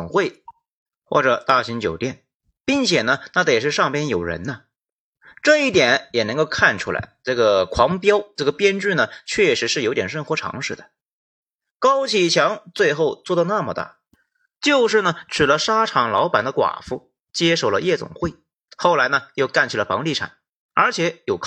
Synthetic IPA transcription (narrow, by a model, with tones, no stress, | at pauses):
ʊ˨˩ŋxwe˥˩ɪ | xwɔ̰˥˩ʈ͡ʂɤ˨˩˦t̪a˥˩ɕi˧˥ŋt͡ɕjo˨˩ʊt̪jɛ˥˩n | pi˥˩ŋt͡ɕʰjɛ˨˩nə˦na˥˩t̪ʂ̬ɻ̩˥˧ʂɑ˥˩ŋpjɛ˥njo˨˩ʊɻə̰˧˥nnə˧ | ʈ͡ʂɤ˥˧i˥˩t̪jɛ˨˩˥njɛ˨˩nɤ˧˥ŋko˥˧ʊkʰa˥˩nʈ͡ʂʰu˥la̰˧˥ɪʈ͡ʂɤ˥˩ɡə˩kʰwɑ˧˥ŋpjɑ˥ʊʈ͡ʂɤ˥˩ɡə˩pjɛ˥nʈ͡ʂ̩˥˩nə˩t͡ɕʰɥɛ˥˩ʂɻ̩˧˥ʂɻ̩˥˩jo˧˥ʊt̪jɛ˨˩nʂwə˥˧nxwɔ˧˥ʈ͡ʂʰɑ̰˧˥ŋʂɻ̩˥˩d̪ə̥˩ | kɑ˥ʊt͡ɕʰi˧˩t͡ɕʰjɑ˧˥ŋt͡swe˥˧ɪxo˥˧ʊt͡swɔ˥˧˩d̪ɑ˥˧na˥˩mə˨˧t̪a̰˥˩ | t͡ɕjo˥˧ʊʂɻ̩˥˩nə˩ʈ͡ʂʰɻ̩˨˩lə˦ʂa˥ʈ͡ʂʰɑ˨˩ŋlɑ˧˥ʊpa˨˩nd̪ə˦kwa̰˨˩fṵ˥˩ | t͡ɕjɛ˥ʂo˥˩ʊlə˦jɛ˥˩t͡sʊ̰˨˩ŋxwe˥˩ɪ | xo˥˩ʊla˧˥ɪnə˧jo˥˧ʊka˥˩nt͡ɕʰi˨˩lə˩fɑ̰˧˥ŋli˥˩ʈ͡ʂʰa̰˨˩˦n | ə˞˧˥t͡ɕʰjɛ˧˥jo˨˩ʊkʰ